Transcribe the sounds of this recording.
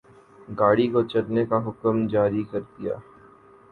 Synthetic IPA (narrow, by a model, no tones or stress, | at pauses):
ɡaːɽikot͡ʃɐɾnekaɦʊkəmd͡ʒaːɾikɐɾd̪ija̰ː